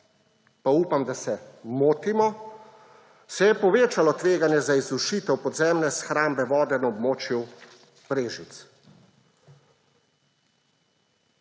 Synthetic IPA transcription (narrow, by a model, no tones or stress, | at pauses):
pauːpamd̪asɛmoːt̪imɔ | sɛjɛpɔʋeːt͡ʃalɔt̪ʋeːɡanjɛzaizuʃiːt̪ɛwpɔd̪zɛːmnɛsxɾaːmbɛʋɔːd̪ɛnaɔbmoːt͡ʃju | pɾeːʒit̪s